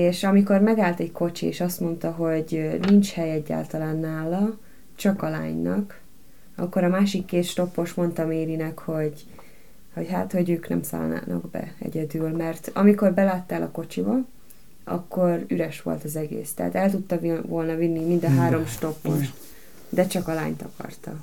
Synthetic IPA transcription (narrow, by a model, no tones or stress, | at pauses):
eːʃɒmiko̞rmɛɡaːlt̪ɛɟko̞t͡ʃiḛːʃɒst̪mo̞nt̪ɒɦo̞ɟnint͡ʃhɛjɛɟːa̰ːlt̪ɒlaːnːaːlɒ | t͡ʃɒkɒla̰ːɲnɒ̰k | ɒ̰kːo̞ɾɒmaːʃikːeːt̪ʃt̪o̞pːo̞ʃmo̞nt̪ɒmeːɾinɛkho̞ɟ | ho̞chat̪ho̞ɟøːknɛ̰msa̰ːlna̰ːnɒ̰ɡbɛ̰ɛ̰ɟɛd̪ylmɛrt̪ɒmiko̞rbɛlaːt̪ːaːlʔɒ̰ko̞t͡ʃibɒ | ɒ̰kːo̞ryɾɛʃʋo̞̰lt̪ɒzɛɡḛːst̪ɛɦa̰t̪ɛlt̪ut̪ːɒvolnɒvinːimind̪ɒɦaːɾo̞mʃt̪o̞pːo̞ʃt̪ | d̪ɛt͡ʃɒkɒla̰ːɲt̪ɒkɒ̰rt̪ɒ